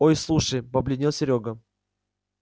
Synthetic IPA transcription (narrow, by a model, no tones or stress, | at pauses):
ojslˠuʂəjpɐblʲɪnʲilˠsʲɪɾʲoɡə